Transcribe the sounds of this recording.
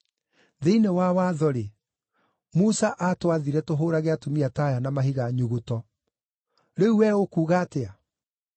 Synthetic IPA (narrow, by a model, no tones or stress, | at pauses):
ðeinewawaðɔɾe | musaʔatwaðiɾɛtoɦoːɾaɣeatomiatajanamaɦiɣaɲuɣotɔ | ɾeuwɛokuːɣaːtea